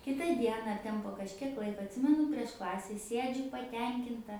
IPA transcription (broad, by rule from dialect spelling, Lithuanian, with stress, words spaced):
ˈkʲɪtɐ ˈdʲiɛnɐ ɐr ˈtʲɛn poː kɐʃʲˈkʲiɛk ˈlˠɐɪkɐ ɐtʲˈsʲɪmʲɛnʊ pʲrʲiɛʃ ˈklˠɑːsʲɛ ˈsʲiɛd͡ʒʲʊ pɐˈtʲɛŋʲkʲɪntɐ